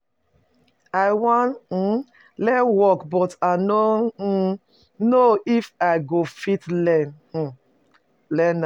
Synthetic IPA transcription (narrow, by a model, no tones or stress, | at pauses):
aɪwãn̩ | lɛwɔkbɔtano | noʔifaɪɡofitlɛn̩ | lɛna